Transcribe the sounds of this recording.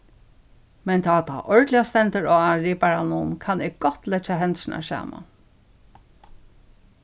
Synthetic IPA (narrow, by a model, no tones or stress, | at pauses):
mɛnt̪ʰaːt̪ʰa̰ʔɔɹd̪lɪjast̪ɛnt̪əɹɔaɹiːpaɹanunkʰanɪɡɡɔt̪lɛt͡ʃaɦɛnt̪ʃɪnʔa̰sa̰ːma̰n